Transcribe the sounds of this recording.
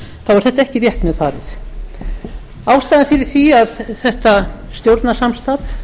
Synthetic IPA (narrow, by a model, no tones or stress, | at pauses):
θawvɛɾ̥θɛht̪aɛhcɪrjɛht̪mɛðfaːɾɪ̰θ | aːwst̪ajðɪfɪɾɪɾ̥θiaðθɛht̪ast̪jowɾt̪nasamst̪aθ